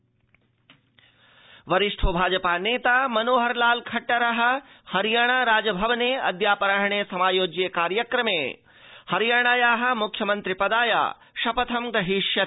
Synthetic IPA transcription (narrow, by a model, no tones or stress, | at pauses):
ʋɐɾiʂʈʰoːbʱaːd͡ʒɐpaːneːt̪aːmɐnoːɦɐɾlaːlkʰɐʈːɐɾɐɦɐ̆ | hɐɾjaːɳ̃aːɾaːd͡ʒɐbʱɐʋɐneːɐ̰d̪jaːpɐɾaːɦɐɳ̃eːsɐmaːjoːd͡ʒjeːkaːɾjɐkɾɐmeː | hɐɾjaːɽ̃aːjaːɦɐ̆mukʰjɐmɐnt̪ɾipɐd̪aːja̰ː | ʃɐpɐt̪ʰɐmɡɐɦiʃjɐ